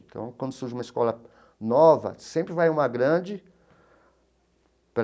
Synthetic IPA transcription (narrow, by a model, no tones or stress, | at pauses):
t̪ʰɐ̰̃w̃kwɐ̃nd̪ʊsuɾʒumɐiskɔlɐ | nɔvɐ̰sẽmpɾɪvajũmɐɡɾɐ̃d͡ʒɪ | pɾ